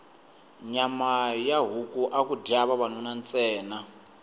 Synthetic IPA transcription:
ɲamajaɦukuʔakudiaβaβanunant͡sʼɛːna

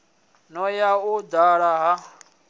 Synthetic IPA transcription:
nɔjaud̪aɺaɦa

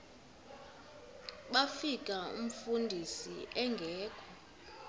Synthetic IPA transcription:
ɓafikʼaṵm̩fundʱisiʔɛŋɡʱɛːkʰɔ

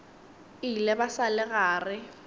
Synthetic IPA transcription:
ilɛbasalɪɣaːrɪ

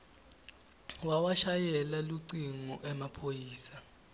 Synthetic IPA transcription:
wawaʃajɛlaluǀiŋɔʔɛmapʰojiːsa

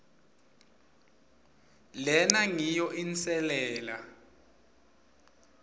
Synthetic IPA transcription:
lɛnaŋijɔʔint͡sʼɛlɛːla

